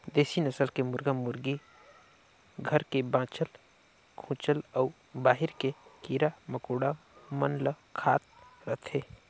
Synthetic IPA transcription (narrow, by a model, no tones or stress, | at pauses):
d̪eːsinəsəlkemʊɾɡamʊɾɡi | ɡʱəɾkebãːt͡ʃəl | kʰũːt͡ʃələː | baːɦɪɾkekiːɾaməkoːɽamənlə | kʰaːt̪̚ɾət̪ʰeː